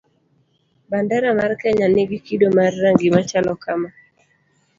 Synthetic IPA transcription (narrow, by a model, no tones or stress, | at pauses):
bandaɾamarkɛɲanɪɡɪkidomarːaŋɡɪmat͡ʃalɔkama